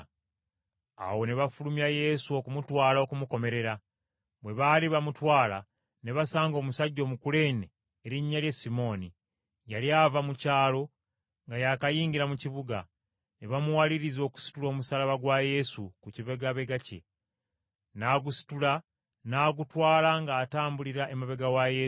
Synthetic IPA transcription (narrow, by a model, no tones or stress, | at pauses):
a̰wo̞ne̞βafulumjaje̞suo̞kumutwaːlao̞kumuko̞me̞ɾe̞ɾa | βwe̞βaliβamutwaːla̰ | ne̞βasaːŋɡo̞ːmusaɟːo̞ːmukule̞ːneː | ɾiɲːaljesimo̞ːni | jaliaːvamucaːlo̞ | ŋɡajakajiːŋɟiɾamuciβuɡa̰ | ne̞βamuwaliɾizo̞ːku̥si̥tulo̞ːmusalaβaɡwaje̞sukuciβe̞ɡaβe̞ɡace̞̰ | naːɡusi̥tula | naːɡutwaːlaŋɡaːtaːmbuliɾaʔe̞muβeɡawaje